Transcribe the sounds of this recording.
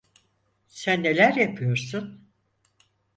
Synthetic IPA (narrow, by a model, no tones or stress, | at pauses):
sænːe̞lʲæɾjapʰɯjo̞ɾsun